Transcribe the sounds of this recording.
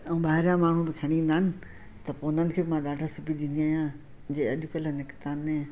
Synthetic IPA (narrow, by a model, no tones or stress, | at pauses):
ɛ̃ːɓaːɦɪɾjãmaːɳ̤ũbɪkʰɐɽ̃ĩːnd̪aːɪnɪ̆ | t̪ɐpoːnənɪ̆kʰeːbɪmãɗaːɖʰʱasʊpid̪ĩːnd̪ijaːɦjã | d͡ʑeːɐʄʊkələnɪkt̪aːnẽ